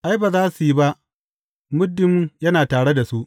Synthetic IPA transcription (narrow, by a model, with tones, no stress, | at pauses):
ʔa˦jbaː˨zaː˦su˨ji˦ba˦ʔ | mʊ˦dːɪ˦mjɐ˦naː˨taː˨ɽe˦da˨su˦ʔ